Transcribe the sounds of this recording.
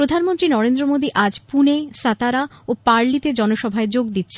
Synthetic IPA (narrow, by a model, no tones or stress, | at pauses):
ɾod̪ʱanmont̪ɾinɔɾend̪ɾomod̪iʔad͡ʑpuneʃat̪aɾaopaɾlit̪ed͡ʑɔnoʃɔbʱaed͡ʑoɡ̚d̪itːɕʰe